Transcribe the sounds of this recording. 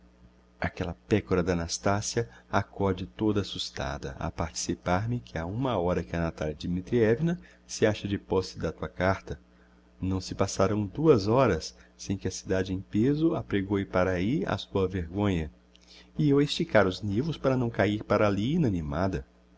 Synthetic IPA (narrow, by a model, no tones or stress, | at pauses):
akɛlɐpɛkoɾɐd̪anast̪asiɐakɔd͡ʒɪt̪od̪ɐasust̪a̰d̪ɐ̰a̰paɾt͡ʃi̥sipaɾmɪkʰɪaũmɐɔɾɐkɪɐnat̪aljɐd͡ʒimit̪ɾiɛvinɐ | sɪaʃɐd͡ʒɪpɔsɪd̪ɐt̪uɐkaɾt̪ɐ | nɐ̃w̃sɪpasaɾɐ̃w̃d̪uɐzɔɾɐsːẽj̃kɪɐsid̪ad͡ʒɪẽj̃pezʊapɾeɡowɪpaɾaia̰suɐveɾɡõɲɐ | ɪewist͡ʃikaɾʊznivʊspaɾɐnɐ̃w̃kaiɾpaɾaliinɐnĩmad̪ɐ